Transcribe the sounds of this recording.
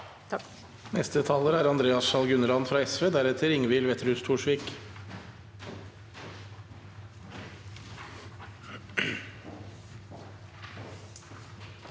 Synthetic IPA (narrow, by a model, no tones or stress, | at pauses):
nɛst̪ət̪ʰɑləɾæːɾɑnd̪ɾeːɑsʃɑlɡʉnəlɑnfɾɑːɛsʋeːd̪æɾɛt̪ʰəɾɪŋʋɪːlʋɛt̪əɾhʉːst̪ʰuːʂʋiːk